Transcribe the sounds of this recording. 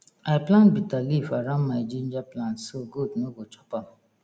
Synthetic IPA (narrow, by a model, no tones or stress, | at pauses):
aɪplãnbitalifaɾãnmaɪd͡ʒĩnd͡ʒaplãntsoɡudnoɡot͡ʃɔ̥pa